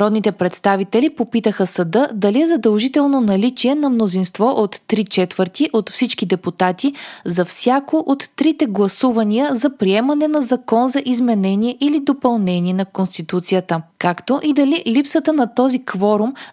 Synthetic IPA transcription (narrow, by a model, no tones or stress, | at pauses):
ɾɔd̪nit̪ɛpɾɛt̪st̪avit̪ɛlipopit̪əxəsɐd̪ɤd̪ɐliɛzɐd̪ɐlˠʒit̪ɛlˠnonɐlit͡ʃiɛnɐmnozinst̪vɔʔot̪ːɾit͡ʃɛt̪vəɾt̪iʔot̪fsit͡ʃkid̪ɛput̪at̪izɐfsʲjakoʔot̪ːɾit̪ɛɡlˠɐsuvɐniəzɐpɾiɛmɐnɛnɐzɐkɔnzɐʔizmɛnɛniɛʔilid̪opɐlˠnɛniɛnɐkonst̪it̪ut̪sijət̪əkakt̪oʔid̪ɐlilipsət̪ənɐt̪ɔzikvɔɾum